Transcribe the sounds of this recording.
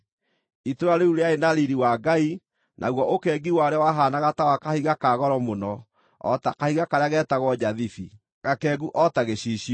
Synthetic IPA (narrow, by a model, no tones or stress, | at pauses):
itoɾaɾeuɾeaenaɾiɾiwaɡai | nʔa̰ɣwɔʔokɛːɡiwaoɾeawaɦanaɣatawakahiɣakaɣɔɾɔmonɔ | ɔ̰takahiɣakaɾeaɣɛːtaɣwɔd͡ʑaðifi | ɣakɛːɡuʔɔtaɣeɕiːɕiɔ